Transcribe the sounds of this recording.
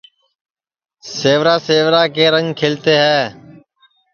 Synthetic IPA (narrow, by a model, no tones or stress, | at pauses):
seːʋɾaːseːʋɾaːkeːɾəŋɡkʰeːlt̪eːɦɛː